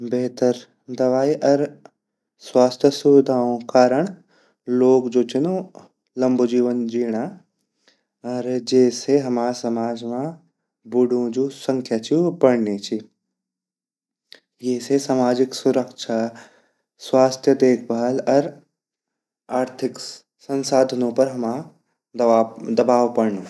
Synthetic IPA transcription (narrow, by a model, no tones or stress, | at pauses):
beːt̪əɾ | d̪ɐʋaːiʔɐɾ | swaːst̪ʰjəsʊʋɪd̪ʱaːõkaːɾəɽ̃ | loːɡd͡ʒoːt͡ʃɪnõ | lɐ̃mbod͡ʒd͡ʑiːʋənd͡ʒiːɽ̃a | ɐɾd͡ʒeːseɦɐmaːɾsɐmaːd͡ʒmã | bʊɽũd͡ʒuːsɐ̃ŋkʰjat͡ʃʰibɐɽnet͡ʃʰi | jeːsesamaːd͡ʒɪksʊɾəkʃʰa | swaːst̪ʰjəd̪eːkʰbalɐɾ | aːɾt̪ʰɪk | sɐ̃nsaːd̪ʱənõpɐɾɦɐmã | d̪ɐbaːʋpɐɽnoː